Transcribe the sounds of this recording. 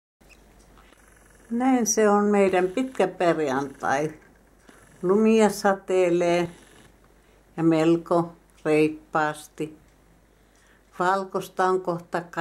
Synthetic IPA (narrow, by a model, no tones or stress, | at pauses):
næinseonmeidæmpit̪kæperjɑnt̪ɑ̰i | lumiɑsɑt̪eːleː | jɑmelko | reipːɑːst̪i | ʋɑlkost̪ɑoŋkoht̪ɑk